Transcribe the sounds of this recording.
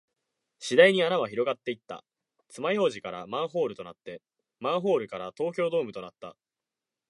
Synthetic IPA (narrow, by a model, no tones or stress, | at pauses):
ɕid̪aiɲ̟ianaβ̞açiɾo̞ɡat̪ːe̞it̪ːa̰ | t͡sɨmaiho̞ːʑikaɾamãɰ̃ɦo̞ːɾɯ̟t̪o̞nat̪ːe̞ | mãɰ̃ɦo̞ːɾɯ̟kaɾat̪o̞ːkʲo̞ːd̪o̞ːmɯ̟t̪o̞nat̪ːa̰